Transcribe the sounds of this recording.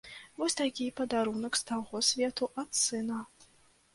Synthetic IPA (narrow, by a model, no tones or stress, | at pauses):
vɔsʲt̪akʲijpɐd̪aɾunɐkst̪aɣɔsʲvʲiɛt̪uʔat̪sɨna